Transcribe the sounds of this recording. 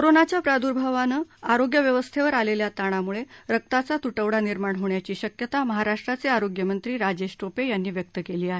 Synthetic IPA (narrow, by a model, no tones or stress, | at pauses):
kkoɾonat͡ɕjapɾad̪uɾbʱaʋanəːaɾoɡjəʋjəʋəst̪ʰeʋəɾaleljat̪aɽ̃amuɭeɾək̚t̪at͡sat̪uʈəʋɽaniɾmaɳɦoɳjat͡ɕiːɕəkjət̪aməɦaɾaʂʈɾat͡seaɾoɡjəmənt̪ɾiːɾad͡ʑeɕʈopejanːiːʋjək̚t̪əkeliːaɦe